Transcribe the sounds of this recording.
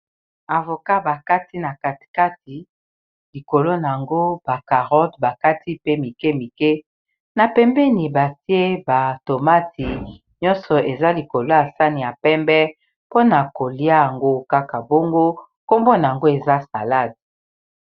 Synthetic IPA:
a˨vo˨ka˦ba˨ka˦ti˦na˨ka˦tka˦ti˨ | li˨ko˨lo˦na˨a˨ŋɡo˦b̥a˨ka˨ʁɔ˦tba˨ka˦ti˦pe˦mi˨kɛ˦mi˨kɛ˦ | na˨pɛ˦mbɛ˦ni˨ba˨ti˦e˦ba˨to˨ma˦ti˨ | ɲɔ˦nsɔ˨ʔe˨za˦li˨ko˨lo˦a˨sa˦ni˨ja˨pɛ˦mbɛ˦ | po˦na˨ko˨li˦a˦ja˨ŋɡo˦ka˦ka˨bo˦ŋɡo˦ | ko˦mbo˦na˨ŋɡo˦e˨za˦sa˨la˦˨d

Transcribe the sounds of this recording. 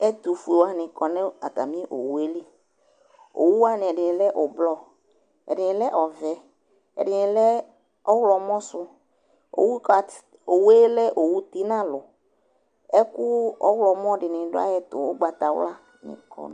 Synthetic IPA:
ɛ˦t̪u˨fu˨e˨wa˦nɪ̃˨kɔ˨nɛ̃˦a˨t̪a̰˨mĩ˦ʔo̰˨wu˦e˦li˦ | o̰˨wu˦a˦nɪ̃˨ɛ˨ɖɪ˨nɪ̃˨lɛ˦ʔo˨blɔ˦ | ɛ̰˨ɖɪ˨ɪ̃˨lɛ˦ʔɔ˨vɛ˨ | ɛ̰˨ɖɪ˨nɪ˨lɛ˦ | ɔ˦wlɔ˨mɔ̃˦sʊ˦ | o̰˨wu˦˨ | o˨we˦lɛ˦ʔo˨wu˦t̪i˦nã˦lʊ˨ | ɛ˦kʊ˦ɔ̰˦wlɔ˨mɔ̃˦ɖɪ˨nɪ̃˨ɖʊ˦a̰˦jɛ˨t̪ʊ̰˨wo̰˦ɡ͡ba˨t̪a˨w̰la˦ | nɪ̰̃˨kʰɔ̰˨n˦

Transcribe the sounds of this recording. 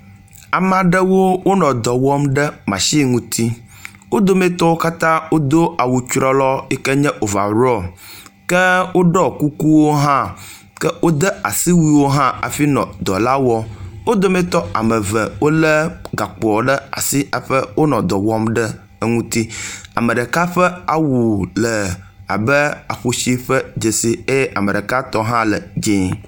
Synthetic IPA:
a˨m˨a˨ɖə˦wo˦wo˦nɔ̃˨d̪ɔ˨wɔ˦mɖə˦mã̰˨ʃi˦ŋũ˦t̪ʰi˦ | wo˦d̪o˦mɛ̃˦t̪ɔ˦wo˦ka˦t̪ã˦wo˦d̪o˦a˨wu˨t͡ʃɾɔ˦lɔ˦ɛ˦kɛ˦ɲɛ̃˦ʔo˨va̰˨ɾɔ˦˨kɛ˦wo˦ɖɔ˦ku˦ku˦wo˦ɦã˦ | kɛ˦wo˦d̪ə˦a̰˨si˦wi˦wo˦ɦã˦a̰˨fi˦nɔ̰̃˨d̪ɔ˨la˦wɔ˦wo˦d̪o˦mẽ˦t̪ɔ˦a̰˨mə˨və˨wo˦lə˦ɡa˨k͡pɔ˨ɖə˦a̰˨si˦a˨ɸə˦wo˦nɔ̃˨d̪ɔ˨wɔ˦mɖə˦ | ŋũ˦t̪i˦a̰˨mə˨ɖə˨ka˦ɸə˦a˨wu˨lə˨a̰˨bə˦a˨ɸo˨ʃi˦ɸə˦d͡ʒe˨si˦e˦ʔa˨mə˨ɖə˨ka˦t̪ɔ˦ɦã˦lə˨d͡ʒĩ˦

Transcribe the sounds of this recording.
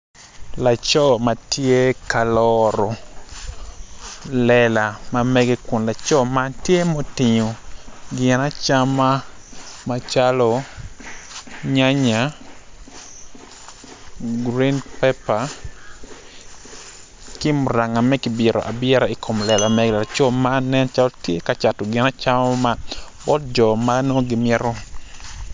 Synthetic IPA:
la˨t͡ʃɔ˦ma˨tje˦ka˨lɔɾɔ˨ | lɛla˨mamɛ˦ɡe˦ku˨nla˨t͡ʃɔ˦matje˦mo˦tɪɲo˨ɡɪ˨na˦t͡ʃa˦ma˦ | ma˨t͡ʃalɔ˦ | ɲa˦ɲa˨ | ɡɾi˦npɛpa˨ | kɪ˦mʊ˨ɾa˨ŋa˨mɛ˦kɪbɪɾɔ̰˨ʔa˨bɪ˦ɛ˦ɾa˨i˨kʰo˨mlɛ˨la˨mɛ˨ɡla˨t͡ʃɔ˦ma˦nɛ˦nt͡ʃalɔtje˦kat͡ʃa˨tɔ˨ɡɪ˨na˦t͡ʃa˦mama˦bɔ˦t̚d͡ʒɔ˨mano˦ɡɪmɪɛ˦ɾɔ˦

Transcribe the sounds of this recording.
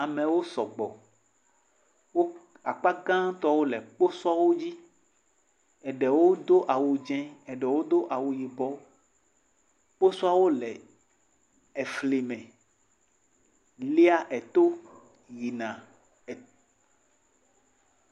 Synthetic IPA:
a˨mɛ̃˨wo˦sɔ˨ɡ͡bɔ˨ | wo˦ | a̰˨k͡pa˦ɡã˦t̪ɔ˦wo˦lɛ˨k͡po˦sa˦wo˦d͡ʑi˦ | ɛ˨ɖɛ˨wo˦d̪o˦ʔa˨wu˨d͡ʒɛ̃˦ɛ˨ɖɛ˨wo˦d̪o˦ʔa˨wu˨ji˨bɔ˨ | k͡po˦su˦a˦wo˦lɛ˨ | ɛ˨fli˨mɛ̃˨ | li˦a˦ʔɛ˨t̪o˦ | ji˨nã˨ | ɛ˨

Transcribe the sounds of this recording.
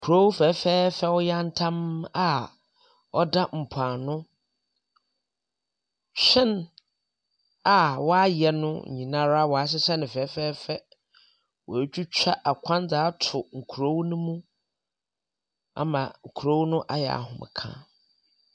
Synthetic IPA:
kʰɾo˦wfɛː˨˦fɛː˦fɛ˦wɔ˦ja˦n̩˦tʰã˦ma˦ | ɔ˦da˦m̩˨pʰa˨nʊ̃˦ | ɕᶣɪ̃˦n | a˨wɔ˦a˦jɛ˨nʊ̰̃˦˨ɲĩ˨nã˦ɾa˦˨wɔ˨a˨s̬ɪ˦sɛ˦nɪ̃˨fɛː˨˦fɛː˦fɛ˦ | wɔ˨t͡ɕᶣu˦t͡ɕᶣa˦ʔa˨kʷʰã˦nd͡zaː˨˦tʰʊ˨ŋ̩˨kʰu˨ɾo˦wnʊ̃˦mũ˦ | a̰˨mã˨ŋ̩˨kʰɾo˦wnʊ̃˦ʔa˦jɛ˨a̰˨hʊ̰̃˨mɪ̰̃˨kʰã̰˦

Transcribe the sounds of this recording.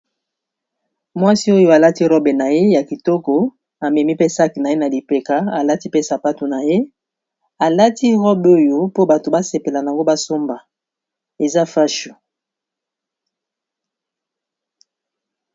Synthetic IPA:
mwa˦si˦o˦jo˦a˨la˦ti˦ʁɔ˦be˨na˨je˦ja˨ki˨tɔ˦kɔ˨ | a˨mɛ˨mi˦pe˦sa˦ki˨na˨je˦na˨li˨pe˨ka˨a˨la˦ti˦pe˦sa˨pa˦to˨na˨je˦ | a˨la˦ti˦ʁɔ˦bo˦jo˦po˦ba˨to˨ba˦se˨pe˨la˨na˨a˨ŋɡo˦ba˦so˦mba˨ | e˨za˦fa˦ʃu̥˨

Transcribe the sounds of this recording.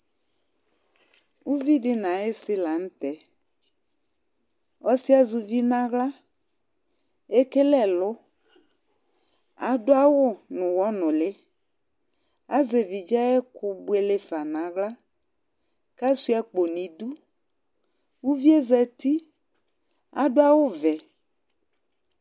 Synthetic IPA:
u˦vi˦ɖɪ˦nã˨ɪ˦sɪ˦la˨ŋ̩̃˦t̪ɛ˨˦ | ɔ˦si˦a˦zu˨vi˦nã˦ɣla˦ | e˦ke˦lɛ˨lʊ˦ | a̰˨dʊ˦a˦wʊ˦nʊ̃˨wɔ˦nʊ̃˨lɪ˦ | a˦ze˨vi˨d͡ʒa˦ɛ˦kʊ˨bʊ˦e˨le˦fa˨nã˨ɣla˦ | ka˦su˦ɛ˦k͡po˨nĩ˨du˦ | wu˦vi˦e˦zɛ˨t̪i˦ | a̰˨dʊ˦a˦wʊ˦vɛ˨

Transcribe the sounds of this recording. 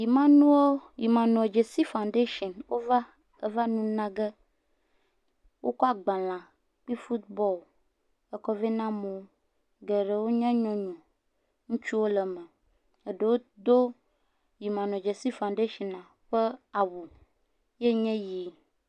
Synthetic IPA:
ji˨mã˦nũ˦wo˦ji˨mã˨nɔ̃˨d͡ʒe˨si˦fa˨ũ˨nɖe˦ʃɔ˨nwo˦va˦ | ə˨va˦nũ˦nã˦ɡɛ˦ | wʔo˦kɔ˦a˨ɡ͡bã˨lã˨ | k͡pi˦fu˦t̪bɔ˦˨l | ɛ˦kɔ˦vɛ˦nã˦mõ˨˦ | ɡɛ˨ɖe˨wo˦ɲɛ̃˦ɲɔ̃˦ɲɔ̃˨ | ŋũ˦t͡ʃu˦wo˦lɛ˨mɛ̃˨ | e˨ɖə˨wo˦d̪o˦ | ji˨mã˨nɔ̃˨d͡ʒe˨si˦fã˨nɖe˦ʃɔ˨nã˨ | ɸə˦a˨wu˨ | je˦ɲɛ̃˦jiː˨˦

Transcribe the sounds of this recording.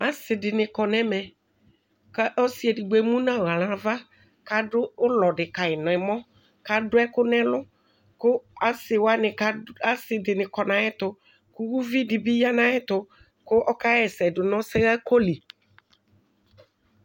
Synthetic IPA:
a˨˦sɪ˨dɪ˨nɪ̃˨kɔ˨nɛ̃˦mɛ˨ | ka˦ʔɔ˦si˨ɛ˨dɪ˨ɡ͡be˨mũ˦nã˦˨ɣa˨lã˨va˦ | ka˦ɖʊ˦ʊ˦lɔ˨ɖɪ˨ka˨ɪ˨nɔ̃˨ɪ˨mɔ̃˦ | ka˦ɖʊ˦ɛ˦kʊ˦nɛ̃˦lʊ˦ | kʊ˦a˦sɪ˨wa˦nɪ̃˨ka˦a˦sɪ˨dɪ˨nɪ̃˨kɔ˨nã˨ɛ˦t̪ʊ˨ | kʊ˦wu˦vi˦di˨bi˦ja˦nã˦ɛ˦t̪ʊ˨ | kʊ˦ʔɔ˦ka˦jɛ˨sɛ˨dʊ˨nɔ̃˦sɛ˦ɣa˦ko˦li˨

